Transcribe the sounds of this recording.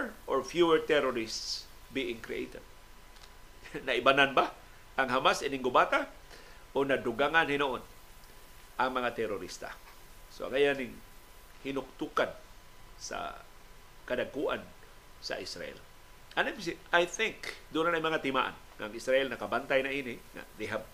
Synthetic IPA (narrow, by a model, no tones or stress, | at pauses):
ʔoɹfjuəɹt̪ɛɾoɾists | biʔɪŋkɾḭʔḛjt̪ɛd̪̚ | naʔibananba | aŋɦamasinɪŋɡʊbat̪a | ʔonad̪ʊɡaŋanhɪnoʔon | ʔaŋmɐŋat̪ɛɾʊɾist̪a̰soʔa̰ŋajanɪŋ | hɪnʊk̚t̪ukansa̰ | kadaɡ̚kuʔa̰n | sa̰ʔɪsɾa̰ʔɛ̰l | ʔanams̬iajθɪŋkd̪unanajmaŋat̪ɪma̰ʔa̰n | ŋa̰ːŋisɾaʔɛlnakabant̪ajnaʔiːnɪŋa̰d̪ejɦab̚